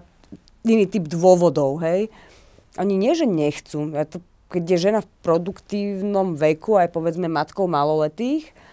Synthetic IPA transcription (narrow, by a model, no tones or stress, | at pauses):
iniːt̪iːbd̪ʋʊɔʋɔd̪ɔʊɦɛj | ʔɔɲiɲɪɛʒɛɲɛxt͡sujat̪ɔ | kɛɟjɛʒɛnafpɾɔd̪ukt̪iːʊnɔmʋɛkuajpɔʋɛd͡zmɛmat̪kɔʊmalɔlɛt̪iːx